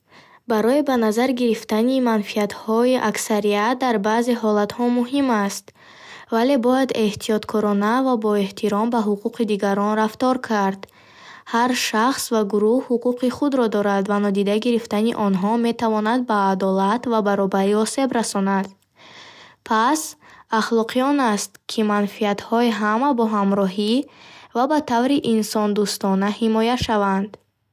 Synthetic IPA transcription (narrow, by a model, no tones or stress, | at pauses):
baɾɔibanazaɾɡiɾift̪animanfiat̪hɔiʔaksaɾiat̪̚d̪aɾbaze̞ɦɔlat̪hɔmuɦimast̪ | vale̞bɔjad̪e̞ht̪ʰiɔt̪kʰɔɾɔnavabɔe̞ht̪ʰiɾɔmbaɦuquqid̪iɡaɾɔnɾaft̪ɔɾkʰaɾd̪̥ | haɾʃaχsvaɡuɾuhhuquqʰiχud̪ɾɔd̪ɔɾad̪vanɔd̪id̪aɡiɾift̪aniʔɔnɦɔme̞t̪avɔnad̪̚baːd̪ɔlat̪vabaɾɔbaɾiɔse̞bɾasɔnad̪ | pʰasaχlɔqʰijɔnast̪kʰimanfiat̪hɔiɦamabɔɦamɾɔɦivabat̪ʰavɾiʔinsɔnd̪ust̪ɔnahimɔjaʃavand̪